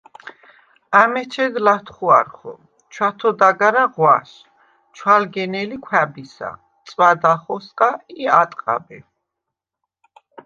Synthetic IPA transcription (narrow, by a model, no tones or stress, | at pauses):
amɛt͡ʃʰɛd̪lat̪ʰχua̰ɾχɔ̰ | t͡ʃʰwat̪ʰɔd̪aɡaɾaʁwaʃ | t͡ʃʰwalɡɛnɛlikʷʰwɛbisa̰ | t̪sʼwad̪aχɔskʼaiat̪ʼqʼa̰bɛ